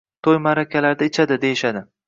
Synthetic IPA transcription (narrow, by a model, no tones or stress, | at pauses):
t̪ʰojmaɾakʲʰalaɾd̪aɪt͡ʃʰad̪ɪd̪e̞jɪʃad̪ɪ